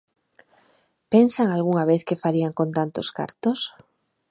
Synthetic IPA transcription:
pensaŋalɣuŋaβeθkefaɾiaŋkont̪ant̪oska̰ɾt̪os

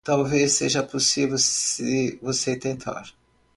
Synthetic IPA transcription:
t̪awvesːeʒɐposivewɪvoset̪ẽnt̪ʰa̰ɾ

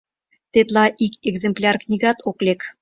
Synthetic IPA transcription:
t̪et̪lɑʔikeɡzemplʲɑrknʲiɡɑt̪oklʲek

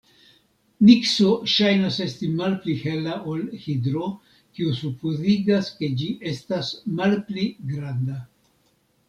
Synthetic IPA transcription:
niksoʃajnase̞stimalplihe̞laʔolhidɾo̞ | kiusupuziɡaske̞d͡ʒiʔe̞stasmalpliɡɾanda

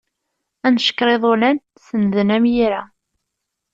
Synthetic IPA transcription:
ænʃə̥kːɾˤeðˤʊlæn | sənðənæmjiɾæ

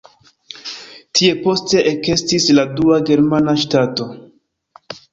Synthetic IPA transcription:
tʰie̞po̞ste̞ʔeke̞stisladuaɡe̞ɾmanaʃtato̞

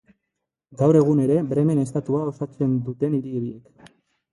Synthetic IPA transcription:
ɡawɾe̞ɣ̞une̞ɾe̞bɾe̞me̞ne̞st̪at̪uao̞sat͡se̞nd̪ut̪e̞niɾiɾiek

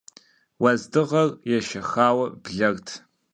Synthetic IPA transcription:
wɐzdɨʁɐrjɛʃɐxaːwɐbɮɐrtʰ

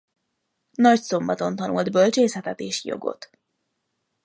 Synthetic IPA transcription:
nɒcso̞mbɒt̪o̞nt̪ɒnṵld̪bølt͡ʃeːsɛt̪ɛt̪eːʃjo̞̰ɡo̞̰t̪

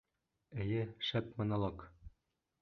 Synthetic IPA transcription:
ɘ̆jɘʃæt̪mɤ̆nɑlˠok

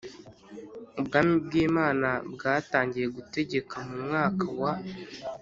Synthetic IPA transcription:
ubɡaːmib̚ɡiːmaːnabɡaːtaːɲɟije̞ɡute̞ɟe̞kamumŋaːkawa

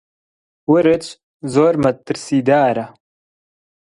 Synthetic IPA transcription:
wʊɾɨt͡ʃ | zoːɾmɐt̪ːɨɾsiːd̪aːɾɐ

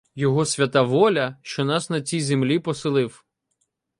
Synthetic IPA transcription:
jɔɦɔsʲʋʲɐt̪aʋɔlʲɐʃt͡ʃɔnɑsnɐt͡sʲijzemlʲipɔsɪlˠɪw

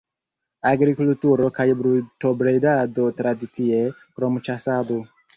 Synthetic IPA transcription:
aɡɾikultuɾokajbɾutobɾedado̞tɾadit͡sie | kɾo̞mt͡ʃasado

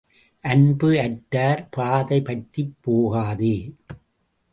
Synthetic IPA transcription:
ʔɐnbɯɐʈːaːɾpaːðɐɪpɐʈripːoːɣaːðeː

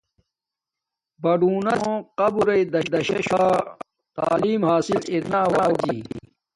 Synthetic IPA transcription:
bɐɖuːnɐõqɐbuɾɐid̪ɐd̪ɐɕɐɕaː | t̪a̰ːliːmhaːsiliɾnaːwaːd͡ʑiː

